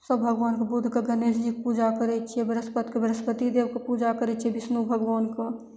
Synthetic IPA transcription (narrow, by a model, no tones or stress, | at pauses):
səbbʱɐɡʋaːnkabʊd̪ʱkaɡɐneːsd͡ʒik̚puːd͡ʒakəɾɛt͡ʃʰiebəɾəspət̪kebɐɾəspət̪id̪eːʋkapuːd͡ʒakəɾɛt͡ʃʰibɪsnubʱəɡʋaːnka